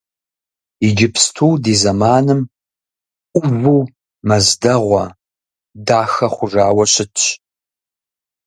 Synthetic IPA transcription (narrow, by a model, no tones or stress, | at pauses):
id͡ʒɪpstʰuːdeːzɐmaːnɨm | qʷʊvuː | mɐzdɐʁʷɐ̰ | daːxɐχʷʊʐaːwɐɕʼɪt͡ʃ